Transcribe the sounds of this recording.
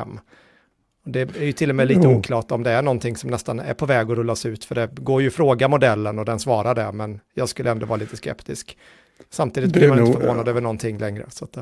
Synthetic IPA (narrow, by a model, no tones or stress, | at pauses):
mː | ɔd̪ɛæɾjɵt̪ʰɪlːɔmɛːliːt̪əuːkʰlɑːʈɔmd̪ɛæɳɔnt̪ʰɪŋsɔmnɛst̪anæ̰ɾpʰɔvɛːɡɔɾɵlasʉ̟ːt̪fœɖɛɡoːɾjɵfɾoːɡamʊd̪ɛlːənɔd̪ɛnsvɑːɾaɖɛmɛnjɑːɡskɵlːəɛnd̪ɔvɑːɾaliːt̪əskɛ̰pt̪ɪsk | samt̪iːd̪ɪt̪̚bliːmanɪnəvoːnad̪øːvəɳɔnt̪ʰɪŋːlɛŋɾə̰sat̪̚ɛ